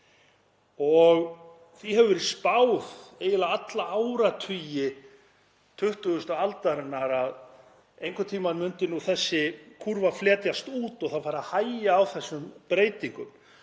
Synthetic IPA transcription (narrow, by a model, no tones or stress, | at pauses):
ɔɣ | θiɦɛvʏvɛɾɪ̥spaːwðeːjɪlaat̪laawɾat̪ʰijɪ | t̪ʰʏht̪ʏɣʏst̪ʏalt̪aɾɪnːaɾað | ejŋkʰʏt̪ʰiːmanmʏnt̪ɪnuθɛsːɪkʰuɾvaflɛːt̪jast̪uːt̪ɔɣθawfaːɾahaːjaawθɛsːʏmpɾeːjt̪iŋkʏm